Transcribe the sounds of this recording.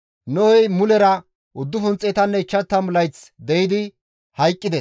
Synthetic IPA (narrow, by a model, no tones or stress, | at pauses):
nɔɔjmʊlɛɾɐ | ʔʊd̪ːʊfʊnt͡sʼɛːt̪ɐnːɛɪt͡ʃːɐt̪ːɐmʊlɐjt͡sd̪ɛjɪd̪ɪ | hɐjkʼːɪd̪ɛs